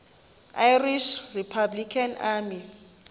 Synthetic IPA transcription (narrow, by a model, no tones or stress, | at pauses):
ajriʃripʰablikʰanaːmi